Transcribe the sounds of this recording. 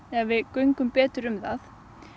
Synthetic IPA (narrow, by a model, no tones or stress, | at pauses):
ɛvɪkœɥjŋkʏmpɛːt̪ʏɾʏmðaθ